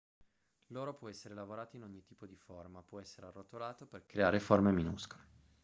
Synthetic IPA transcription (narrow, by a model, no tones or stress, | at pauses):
loːɾopwɔɛsːeɾelavoɾaːt̪oinoɲːit̪iːpod̪iformapwɔɛsːeɾearːot̪olaːt̪operkɾeaːɾeformeminuskole